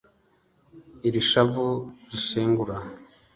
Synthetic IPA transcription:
iɾiʃavuɾiʃeːŋɡuɾa

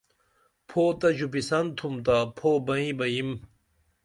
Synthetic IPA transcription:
pʰoːt̪ɐd͡ʑupisɐnt̪ʰumt̪apʰoːbɐĩbɐjim

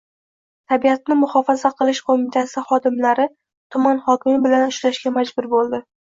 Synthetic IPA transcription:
t̪ʰabiat̪̚nɪmʊχɒfazaqʰɨlˠɪʃqʰomɪt̪ʰasɪχɒd̪ɪmlaɾɪ | t̪ʰʊmanχɒkʲɪmɪbɪlanʊʃlaʃkʲamad͡ʒbʊɾbolˠd̪ɪ

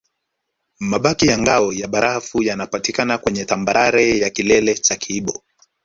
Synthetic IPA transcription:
maɓakijaŋɡaɔjaɓaɾʔafujanapatikanakwɛɲɛtambaɾaɾɛjakilɛlɛt͡ʃakiɓɔ

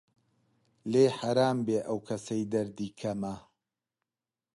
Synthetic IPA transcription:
leːħaɾaːmbeːʔɐwkʰɐsɐjd̪ɐɾd̪iːkʰɐmɐ

